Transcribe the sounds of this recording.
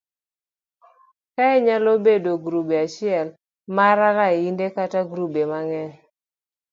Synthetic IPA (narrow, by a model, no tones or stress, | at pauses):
kaɛɲalobedoɡɾubeat͡ʃɪɛl | maɾalaindekataɡɾubemaŋɛ